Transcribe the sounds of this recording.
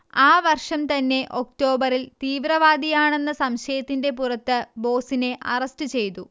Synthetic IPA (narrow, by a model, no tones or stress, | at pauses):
aːʋɐrʂɐmt̪ɐnːe̞ʔʔo̞k̚to̞ːbɐɾilt̪iːʋrɐʋaːd̪ijaːɳe̞nːɐsɐmɕɐjɐt̪ːinde̞purɐt̪ːɨbo̞ːsine̞ʔɐrɐstɨt͡ɕe̞jt̪u